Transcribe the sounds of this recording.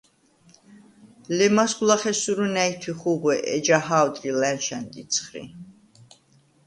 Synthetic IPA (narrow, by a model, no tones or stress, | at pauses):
lɛmasɡulˠaχɛsuɾunæit̪ʰwiχuɡwɛʔɛd͡ʒaɦawd̪ɾilɛnʃɛnd̪it̪sʰχɾḭ